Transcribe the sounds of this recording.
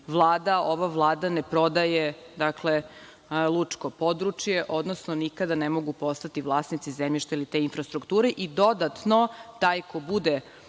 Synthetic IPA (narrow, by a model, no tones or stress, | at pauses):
ʋlˠaːd̪aoʋaʋlˠaːd̪anepɾo̞d̪ajed̪akle | lˠut͡ʂko̞po̞d̪ɾut͡ʂjeʔo̞d̪nosnonikad̪anemo̞ɡupo̞st̪at̪iʋlˠaːsnit̪sizemʎiʃt̪ailit̪e̞infɾast̪ɾukt̪uːɾeʔid̪o̞d̪at̪no̞t̪aːjko̞bud̪e